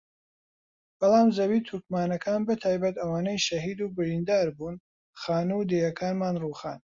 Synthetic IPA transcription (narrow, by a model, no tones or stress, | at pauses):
b̥ɐlɑːmzɐwiːt̪ʰuɾkmaːnɐkʰaːnbɐt̪ʰaːjbɐt̪ɐwaːnɐjʃɐɦiːd̪uːbɪɾiːnd̪aːɾbuːn | xaːnuwd̪eːjɐkʰaːnmaːnruːxa̰ːn